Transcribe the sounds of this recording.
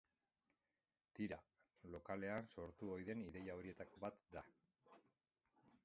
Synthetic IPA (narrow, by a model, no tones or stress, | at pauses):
t̪iɾa | lo̞kale̞anso̞ɾt̪uo̞jðe̞niðe̞jao̞ɾie̞t̪ako̞βat̪d̪a